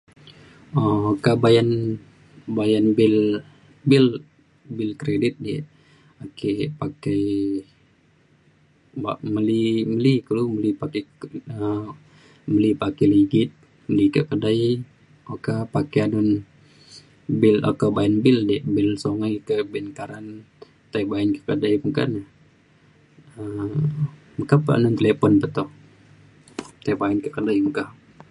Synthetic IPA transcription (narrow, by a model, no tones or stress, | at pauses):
ɔokabajan | bajanbɪl | bɪl | bɪlkɾedɪt̪̚dɛ | akɛpakɛj | ba̰məliməlikəluməlipakɛə | məlipakɛliɡɪt̪̚ | məlikəʔkədaj | okapakɛanʊn | bɪlo̰kabaɛnbɪldɛʔbɪlsoŋajkəbɛnkaɾan | t̪ajbaɛnkə̥kədajməka̰n | ə | məkapəa̰nʊnt̪əlɛpɔnpət̪ɔh | t̪ajbaɛnkəʔkədajməkah